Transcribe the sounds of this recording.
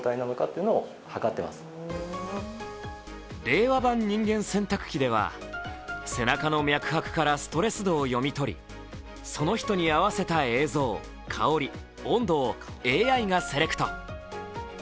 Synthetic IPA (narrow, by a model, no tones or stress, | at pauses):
t̪ainanokat̪ːeiɯ̟noo | hakat̪ːe̞ma̰sɨ̥ | ɾe̞ːβabãɲ̟ːĩŋɡẽ̞ɰ̃sẽ̞nt̪akɯ̟̥kʲid̪e̞βa̰ | se̞nakano̞mʲjakɯ̟̥hakɯ̟̥kaɾasɨ̥t̪o̞ɾe̞sɨd̪o̞ːjo̞mʲit̪o̞ɾʲḭ | so̞no̞çi̥t̪o̞ɲ̟iaβase̞t̪ae̞ːzo̞ː | kʰa̰o̞ɾʲi | õ̞nd̪o̞ː | e̞ːaiŋase̞ɾe̞kɯ̥t̪o̞